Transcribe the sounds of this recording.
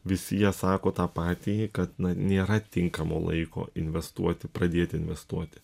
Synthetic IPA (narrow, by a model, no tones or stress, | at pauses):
ʋʲɪsʲɪjiɛsɑːkoːt̪ɑːpɑːt̪ʲiːkɐt̪nɐnʲeːɾɐt̪ʲɪŋkɐmo̰lˠɐ̰ɪko̰ːɪnʲʋʲɛst̪uɔt̪ʲɪpɾɐd̪ʲeːt̪ʲɪɪnʲʋʲɛst̪uɔt̪ʲɪ̥